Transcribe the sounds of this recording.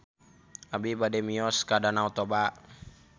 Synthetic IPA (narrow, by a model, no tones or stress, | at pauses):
abibadɛmiɔskadanaut̪ɔba